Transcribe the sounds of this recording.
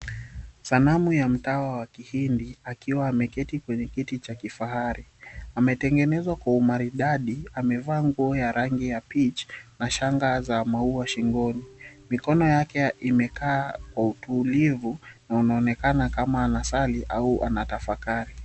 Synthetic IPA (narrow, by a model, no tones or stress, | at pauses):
sanamujam̩tawawakihindiakiwaːmɛkɛtikwɛɲɛkitit͡ʃakifaɦaɾiamɛtɛŋɡɛnɛzwakwaumaɾiɗaɗiamɛvaːŋɡuɔjaɾaŋɡijapit͡ʃnaʃaŋɡazamauaʃiŋɡɔnimikɔnɔjakɛimɛkaːkwautulivunaunaɔnɛkanakamaːnasaliʔauʔa̰natafakaɾi